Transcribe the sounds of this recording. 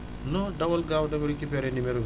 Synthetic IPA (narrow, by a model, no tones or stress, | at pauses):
noːɖɐʋɐlɡaːʋɐʈɐʋeɽikːipeɾenimeɾu